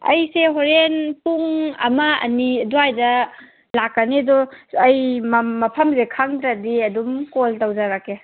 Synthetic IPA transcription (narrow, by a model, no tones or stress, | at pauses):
ɐ̰jseɦoɾenpuŋɐ̰mɐɐ̰niduajdɐ | lakːanidɔɐjmmɐpʰɐmzekʰaŋd̪ɾadiɐdumkoltawzaɾakːe